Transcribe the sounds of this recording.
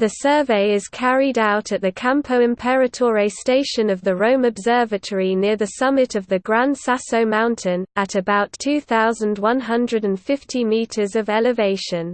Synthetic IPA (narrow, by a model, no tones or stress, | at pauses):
ðəsɜːveɪɪz̥kʰaɹidaʊtʰəʔ̚ðəkʰãmpʰəʊɪ̃mpʰɛɹətʰɔːɹeɪsteɪʃə̃nəvðəɹə̃ʊ̃məbzɜːvətʰəɹinɪəðəsʌmɪtʰəvðəɡɹãnd̥sasəʊmãʊ̃ntʰɪ̃nətəbaʊtʰʉːθaʊzə̃ndwʌ̃nɦʌ̃ndɹədə̃nfɪftʰimiˑtʰəzəvɛlɪveɪʃə̃n